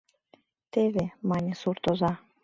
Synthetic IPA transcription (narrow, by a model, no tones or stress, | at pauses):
t̪eβemɑnʲesurt̪ozɑ